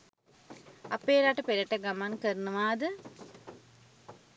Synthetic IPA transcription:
ɐpːeːɾaːʈːɨpeɾɐʈːɐɡɐmaːnkɐɾnɨmaːd̪ɨ

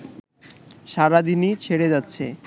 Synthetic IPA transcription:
ʃaɾad̪init͡ɕʰeɽed͡ʑatːɕʰḛ

